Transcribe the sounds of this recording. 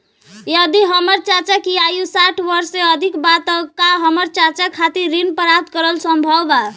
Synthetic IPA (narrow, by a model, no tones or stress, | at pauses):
jʌd̪iɦəməɾt͡ʃat͡ʃakiajusaʈʰbʌɾseəd̪ʱikbat̪əkaɦəməɾt͡ʃat͡ʃakʰat̪iɾɾinpəɾap̚t̪kəɾəlsəmbʱəba